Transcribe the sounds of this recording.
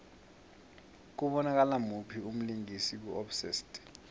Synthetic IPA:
k̬uɓɔnak̬alamupʰium̩liŋisik̬uɔfsistʼ

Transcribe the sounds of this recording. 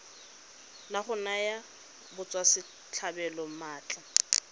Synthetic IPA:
laχʊnaja | bʊt͡sʼwasɪ | t͡ɬʰabɛlɔmaːt͡ɬʼa

